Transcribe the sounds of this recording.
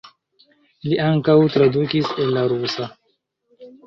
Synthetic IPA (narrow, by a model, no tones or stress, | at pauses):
liʔaŋkawtɾadukiselːaɾusa